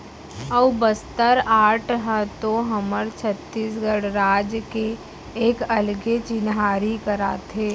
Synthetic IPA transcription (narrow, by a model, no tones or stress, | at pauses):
əʋbəst̪əɾaːʈʰɦə̃t̪oɦɐməɾt͡ʃʰət̪ːiːsɡəɽɾaːd͡ʒkeː | kəlɡet͡ʃɪnɦaːɾikəɾa̰ːt̪ʰeː